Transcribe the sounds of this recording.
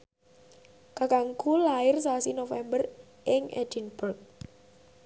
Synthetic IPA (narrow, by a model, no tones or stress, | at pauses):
kakaŋkulaɪrs̬asinofɛmbər | ʔɪŋɛ̰d̥inbərk̚